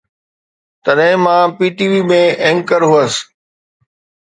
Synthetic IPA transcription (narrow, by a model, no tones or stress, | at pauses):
t̪ɐɗɦɪ̃mãːpiːʈiːʋiːmẽẽŋkəɾɦuəs